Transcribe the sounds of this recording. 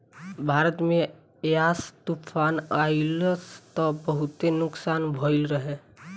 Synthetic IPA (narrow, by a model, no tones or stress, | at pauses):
bʱaːɾət̪mẽ | jaːst̪uːpʰaːnaːilst̪ɔbəɦʊt̪enʊksaːnbʱoːɪlɾəɦeː